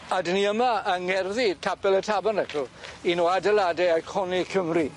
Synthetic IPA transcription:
adəniəmaəŋɛrðitʰabɛlˠətʰabanɛkʰəlˠinoadɛladɛajkʰɔnikʰəmri

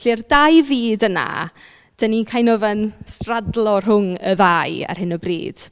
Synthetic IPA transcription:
ɬirdajviːdəna̰ | d̥ənikʰajnɔvɛnstradlˠɔr̥ɦʊŋə̰ðaja̰r̥hɪnəbrḭːd̥

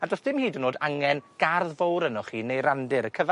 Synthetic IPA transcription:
adrɔsd̥ɪmhiːdənoːdaŋɛnɡ̥arðvowɾənɔχiːnejɾandɪɾəkʰəva

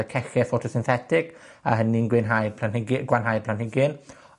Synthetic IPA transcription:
ɛkʰɛxɛfotʰɔsɪnθɛtʰɪk | a̰ɦəninɡwɪnɦajpʰlanhɪɡɡwanɦajpʰlanhɪɡɪn

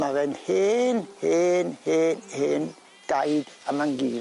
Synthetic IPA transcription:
mavɛnheːnheːnheːnhɪːn | d̥ajd̥amaŋɡiː

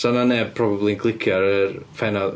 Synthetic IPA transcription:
sananɛb̚pʰrɔbablˠinkʰlˠɪkʰjaɾəfɛnɔ

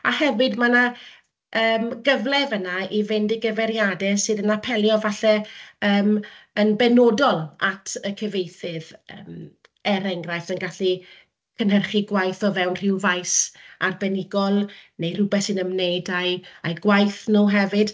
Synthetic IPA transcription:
ahɛvɨdmana | əːmɡəvlɛvənaivɪndɪɡəvɛɾjadɛsɨːðənapʰɛlˠjɔvaɬɛəːmənbɛnodɔlˠatʰəkʰəvejθɨvəːm | ɛɾɛŋɡrajftənɡaɬi | kʰənɦərχiɡwajθɔvɛwnr̥ɪwvajsarbɛnɪɡɔlˠnejrʊbɛθsɨnəmnejdajajɡwajθnuɦɛvɨd̥

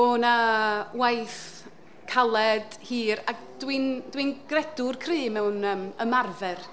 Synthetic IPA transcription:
onawajθ | kʰalˠɛd̥ | hiːɾaɡ | d̥windwinɡ̥rɛdʊrkʰrɨːmɛwnəːməmarvɛr

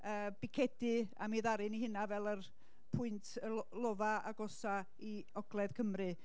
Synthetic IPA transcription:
əːb̥ɪkʰɛdɨa̰miðaɾɨnihɪnavɛlˠər | pʰʊɨntʰəlˠɔvaa̰ɡɔsa | i | ɔɡ̥lˠɛð̥kʰəmrɨ

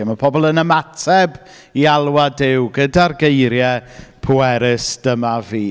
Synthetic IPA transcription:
mapʰɔbɔlˠənəmatʰɛb | ialˠwadɪwɡədarɡejɾjɛpʰʊɛɾɪsd̥əmaviː

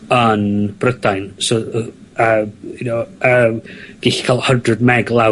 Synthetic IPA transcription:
ənb̥rədajnsoəmhɪnoəːmɡ̥ɪɬi̥kʰaːlˠhəndrəd̚mɛɡlˠa

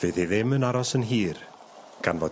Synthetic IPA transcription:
vɨːðiðɪmɨənaɾɔsənɦiːr | ɡ̥anvɔːd

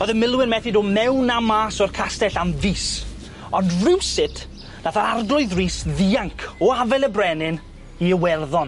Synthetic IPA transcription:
ɔðəmɪlˠwɪnmɛθɪdoːmɛwnamaːsɔrkʰastɛɬamviːs | ɔndrɪwsɪtʰ | naθaɾarɡlˠʊɨðriːsðiːaŋkʰɔavɛlˠəbrɛnɪn | iəwɛrðɔn

